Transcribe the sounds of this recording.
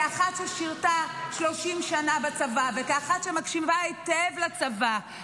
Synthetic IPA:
aχat̪ʃeʃiʁtaʃloʃimʃanabat͡savavekaaχat̪ʃemakʃimvaetevlat͡sava

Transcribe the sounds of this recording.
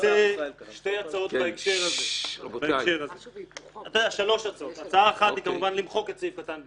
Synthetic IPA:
t̪eʃte̞jat͡sao̞t̪baekʃe̞ʁazebaekkʃe̞ʁazeat̪adaʃalo̞ʃat͡sao̞t̪at͡saaeχat̪hikamuvanlimχo̞ket͡sifkat̪an

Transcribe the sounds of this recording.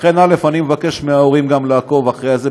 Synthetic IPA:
enale̞fanimevake̞ʃmeaoʁimɡamleako̞vaχʁejaze

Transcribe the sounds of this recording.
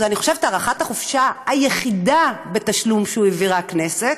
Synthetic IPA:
zaniχo̞ʃevet̪aːʁaχat̪haχofʃahajeχidabe̞t̪aʃlumʃeueviʁakneset

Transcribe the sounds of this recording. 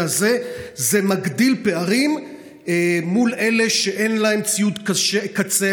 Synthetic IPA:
azezemaɡd̪ilpe̞aʁim | mule̞le̞ʃeʔe̞nlae̞mt͡sijut̪kaʃekat͡se

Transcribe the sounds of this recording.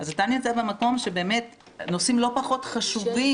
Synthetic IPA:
azatanjot͡sabemako̞mʃe̞be̞ːme̞t | no̞simlo̞paχo̞tχaʃuvi

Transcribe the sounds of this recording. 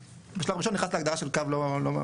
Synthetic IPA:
beʃalavʁiʃonːiχnasleaɡdaʁaʃelkavlolo

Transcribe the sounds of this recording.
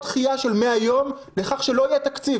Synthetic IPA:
t̪χijaʃe̞lmeajo̞m | leχaχʃelo̞ijet̪akt͡siv

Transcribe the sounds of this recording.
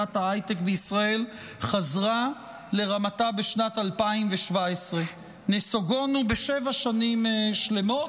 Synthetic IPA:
athaajtekbeisʁae̞l | χazʁa | le̞ʁamatabeʃnatalpaimveʃvaesʁe̞ | nesoɡo̞nubeʃevaʃanimʃle̞mo̞

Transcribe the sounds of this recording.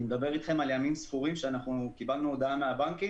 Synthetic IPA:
med̪abe̞ʁit̪χe̞maljamimsfuʁimʃeanaχnukibalnuod̪aanmeabaŋki

